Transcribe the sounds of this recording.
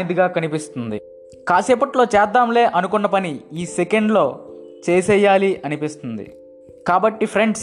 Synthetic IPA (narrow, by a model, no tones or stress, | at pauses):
nid̪iɡaːkɐnipist̪und̪ḭ | kaːsɛːpɐʈlo̞ːt͡ʃɛːd̪ːaːmle̞ːʔɐnukunːɐpɐniiːsekeɳɖlo̞ː | t͡ʃeːsɛːjːaːliʔɐnipist̪und̪ḭ | kaːbɐʈːipʰɾe̞ɳɖs